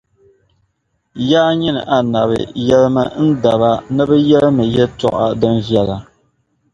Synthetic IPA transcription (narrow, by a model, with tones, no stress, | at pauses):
jaː˦ɲi˦nɨ̰˨ʔa˨na˨βɨ̰˨jɛ˦lmɨ˦n̩˦da˨βa˦nɨ˦bɨ˦jɛ˦lmɨ˨jɛ˦tɔ̰˦ʔa˦dɨ˦nvjɛ˦la˨